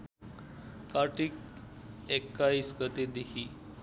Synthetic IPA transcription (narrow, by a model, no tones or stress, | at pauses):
kaʈik̚ | ekːaiskət̪ed̪ekʰiː